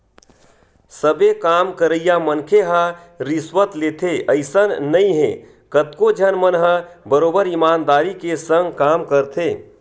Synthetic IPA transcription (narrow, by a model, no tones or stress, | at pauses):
səbekamkəɾəjjamənkʰeɦa | ɾiswət̪let̪ʰeʔəɪsənnəĩɦḛ̃ | kət̪kod͡ʒʱənmənɦəbəɾoːbəɾimaːnd̪aːɾikesə̃ŋɡkamkəɾt̪ʰe